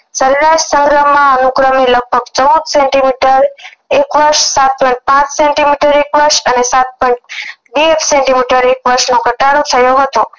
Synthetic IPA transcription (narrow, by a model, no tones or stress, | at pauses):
səɾlaʃsəŋɡɾəmːãənuɡɾəmiləɡ̚bʱəɡt͡ʃəud̪sɛ̃ɳʈimiʈəɾekʋəɾʃsat̪̚pɔjɳʈ̚pãt͡ʃsɛɳʈimiʈəɾekʋəɾʃənesat̪̚pɔj̃ɳʈ̚biefsɛɳʈimiʈəɾekʋəɾʃnoɡʱəʈaɽot̪ʰəjoɦət̪o